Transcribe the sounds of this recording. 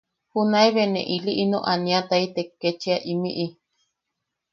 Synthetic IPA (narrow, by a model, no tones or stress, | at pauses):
hunaiβenḛ̃ʔiliʔinõ̰ʔanĩat̪ait̪ekːet͡ʃiaʔimḭʔi